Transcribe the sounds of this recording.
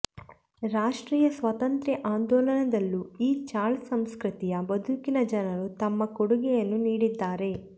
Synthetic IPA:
ɾaːʂʈɾiːjɐsʋɐt̪ɐnt̪ɾɛʔaːnd̪ɔːlɐnɐd̪ɐlːuiːt͡ʃaːlsɐmskɾit̪ijɐbɐd̪ʱukinɐd͡ʒɐnɐɾut̪ɐmːɐkoɽuɡɛjɐnːuniːɽid̪ːaːɾe̞

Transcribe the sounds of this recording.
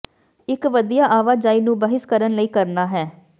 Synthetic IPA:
ɪkʋəd̪ijaːʔaːʋaːd͡ʒaːiːnũːbəɦɪskəɾənləiːkəɾnaːɦɛː

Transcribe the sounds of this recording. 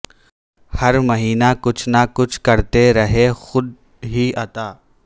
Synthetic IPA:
hɐɾmɐɦiːnakʊt͡ʃʰnakʊt͡ʃʰkɐɾt̪eɾɐɦexʊd̪̚ | ɦiat̪aː

